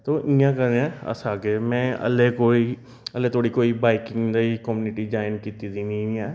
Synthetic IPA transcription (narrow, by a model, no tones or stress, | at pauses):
t̪oːʔĩjãkəɾeãə̰saːkemɛ̃ːə̰lekoːi | əlet̪ʰoːɽikoːibaːɪkɪ̃ŋɡd̪aikɔmuːnɪʈid͡ʒaːɪnkiːt̪id̪inĩjã